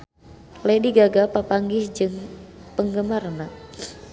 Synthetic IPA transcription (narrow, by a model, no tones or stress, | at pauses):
lajdiɡaɡapapaŋɡɪsd͡ʒɨŋpəŋɡəmarna